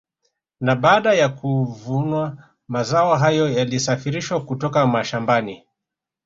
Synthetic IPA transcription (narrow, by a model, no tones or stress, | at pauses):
naɓaːɗajakuvunwa | mazaɔɦajɔjalisafiɾiʃwakutɔkamaʃambani